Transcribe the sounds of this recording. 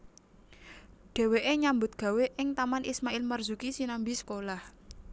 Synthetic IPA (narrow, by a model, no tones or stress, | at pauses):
ɖ̥e̤weʔeɲambʊt̪̚ɡ̥a̤weʔɪŋt̪amanʔismaʔɪlmərzukisinambisə̥kolah